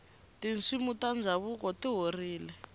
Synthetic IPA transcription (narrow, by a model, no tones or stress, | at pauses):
tint͡simutand͡zʱaβukɔtiɦoriːlɛ